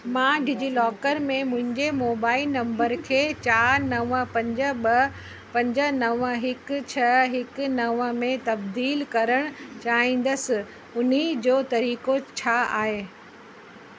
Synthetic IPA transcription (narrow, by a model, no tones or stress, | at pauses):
mãːɖʱɪd͡ʑilɔːkəɾmẽmʊ̃ɦɪ̃ɲd͡ʑemoːbaːɪlnɐ̃mbəɾkʰeːt͡ɕaːɾnɐʋəpɐ̃ɲd͡ʑə̆ɓɐ | pɐ̃ɲd͡ʑə̆nɐʋəɦɪkt͡ɕʰɐɦɪknɐʋəmẽt̪ɐbd̪iːlkɐɾəɽ̃ʊt͡ɕaːɦĩːn̆d̪əsɪ̆ | ʊn̤id͡ʑoːt̪ɐɾiːkot͡ɕʰaːaːɦeː